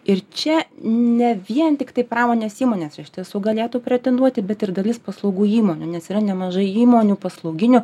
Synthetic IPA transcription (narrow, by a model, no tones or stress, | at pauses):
ɪrt͡ʃʲɛnʲɛʋʲiɛnt̪ʲɪkt̪ɐɪpɾɑːmoːnʲeːsiːmoːnʲeːsɪʃʲt̪ʲiɛsuːɡɐlʲeːt̪upʲɾʲɛt̪ʲɛnd̪uɔt̪ʲɪbʲɛt̪ɪɾd̪ɐlʲɪspɐslˠɒʊɡuːiːmoːnʲunʲɛsiːɾɐnʲɛmɐʒɐɪiːmoːnʲuːpɐslˠɐʊɡʲɪnʲʊ